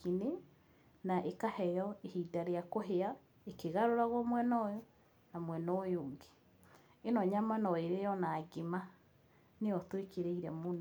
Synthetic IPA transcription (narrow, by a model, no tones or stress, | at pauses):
kine | naʔekahɛjɔehidaɾejakoɦea | ekeɣaɾoɾaɣɔmwɛnɔjɔ | namwɛnoːjoːŋɡe̥ | enɔɲamanɔeɾejɔnaːɡima | neɔtwekeɾeiɾɛmona